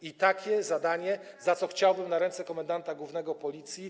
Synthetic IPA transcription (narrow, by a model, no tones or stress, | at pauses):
it̪akʲɛzad̪aɲɛ | zat̪sɔxt͡ɕawbɘmnaɾɛnt̪sɛkɔmand̪ant̪aɡwuvnɛɡɔpɔlʲit̪sʲji